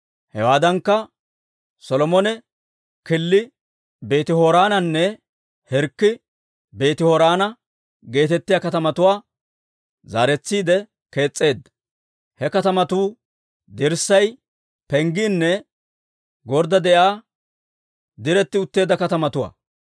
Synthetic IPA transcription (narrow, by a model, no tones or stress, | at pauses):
hɛwaːd̪ɐŋkːɐ | sɔlɔmɔnɛ | kɪlːɪ | be̞ːt̪ɪhoɾaːnɐnːɛ | hɛɾkːɪ | be̞ːt̪ɪhɔɾaːnɐ | ɡe̞ːt̪ɛt̪ːɪjaːkɐt̪ɐmɐt̪ʊwaː | za̰ːɾɛt͡sːiːd̪ɛ | ke̞ːt͡sʼːe̞ːd̪ːɐ̥ | hɛkɐt̪ɐmɐt̪uː | d̪ɪɾsːɐj | pɛŋɡɪnːɛ | ɡɔɾd̪ɐd̪ɛʔjaː | d̪ɪɾɛt̪ːɪʊt̪ːe̞ːd̪ɐkɐt̪ɐmɐt̪ʊwa̰ː